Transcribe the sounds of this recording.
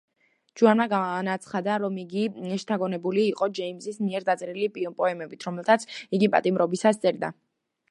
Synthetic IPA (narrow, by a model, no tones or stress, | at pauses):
d͡ʒuanaɡanat̪sʰχad̪aɾɔmiɡiɛʃt̪ʰaɡɔnɛbuliːqʼɔd͡ʒɛimzismiɛɾd̪at̪sʼɛɾilipʼpʼɔɛmɛbit̪ʰɾɔmɛlˠt̪ʰat̪sʰiɡipʼa̰t̪ʼimɾɔbisast̪sʼɛɾd̪a̰